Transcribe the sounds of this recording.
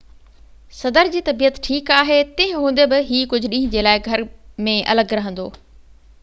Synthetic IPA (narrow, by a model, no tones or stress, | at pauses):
sɐd̪əɾd͡ʑiːt̪ɐbiːət̪ʈʰiːkaːɦet̪ẽɦɪ̃ɦũːn̆d̪ebɪɦiːkʊd͡ʑʱʊ̆ɗĩːɦɪ̃d͡ʑeːlaːɪɡʱɐɾmẽʔɐ̰ləɡɾɐɦə̃nd̪oː